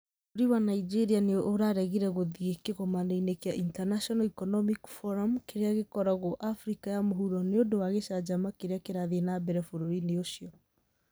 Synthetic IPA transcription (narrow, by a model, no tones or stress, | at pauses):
oɾiwanaid͡ʒeɾianeʔoɾaɾɛɣiɾɛɣoðiɣekeɣɔmaneinekeaʔintanaʃɔnaikɔnɔmikfɔɾamkeɾeaɣekɔɾaɣoʔafɾikajamoɦuɾɔneodowaɣeʃad͡ʒamakeɾeakeɾaðenabɛɾɛfoɾoɾineoʃijɔ